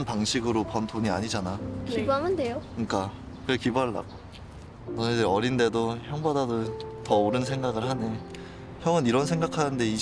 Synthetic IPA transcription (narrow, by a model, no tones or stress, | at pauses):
npaŋɕʰiɡɯɾopʌntʰoɲia̰ɲid͡ʑanakibɦamɯnde̞jokɯɲik͈a | kɯɾekibuɦaɭːa̰ɡo | nʌed͡ʑeʌɾinde̞doçjʌŋbadadotʌoɾɯnsʰeŋɡaɡɯɭhane | çjʌŋɯniɾʌnsʰe̞ŋɡakʰanɯnde̞i